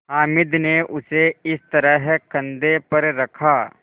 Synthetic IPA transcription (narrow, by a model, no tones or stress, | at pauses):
ɦaːmɪd̪neʔʊseɪst̪ɐɾəɦkɐ̃nd̪epɐɾɾɐkʰaː